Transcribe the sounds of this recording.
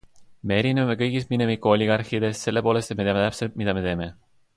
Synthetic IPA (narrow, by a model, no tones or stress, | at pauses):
me̞eɾineɑme̞kɤjɡist̪mine̞mikːˑuolʲːiɡ̥ɑrxid̪e̞st̪se̞lːe̞po̞ːlest̪et̪met̪eɑmet̪æpse̞lt̪̚mid̪ɑme̞t̪e̞ːme̞